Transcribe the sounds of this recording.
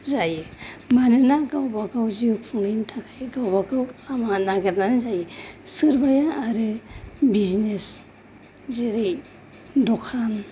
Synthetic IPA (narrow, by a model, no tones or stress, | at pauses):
zajimanɯnaɡawbaɡawzijopʰuŋnɯntʰakʰajɡawbaɡawamanaɡeɾnanɯzajisɯɾbajaːɾɯbiznes | zeɾej | dɔkʰan